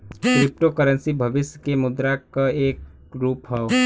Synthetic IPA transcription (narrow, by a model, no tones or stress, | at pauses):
kɾɪp̚ʈokəɾənsibʱəbɪsjəkemʊd̪ɾakaeːk | ɾuːpɦɛo